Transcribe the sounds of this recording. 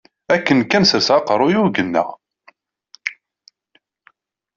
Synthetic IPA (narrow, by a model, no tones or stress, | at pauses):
ækːənkænsəɾsɑqəɾˤʊjuɡənːæ̰